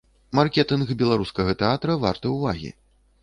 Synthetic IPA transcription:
markʲɛt̪ɨnɣbʲɛlˠaɾuskɐɣɐt̪ɛat̪ɾɐva̰rt̪ɐwvaɣʲḭ

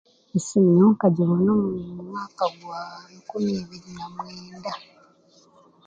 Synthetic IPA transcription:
isiɲːoːŋkaɟiβonamumumwaːkaɡwaikumiβiɾinamweːnda

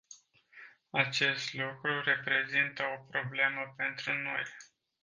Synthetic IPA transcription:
at͡ʃe̞st̪lukɾuɾe̞pɾe̞zint̪əo̞pɾo̞ble̞məpe̞nt̪ɾuno̞j

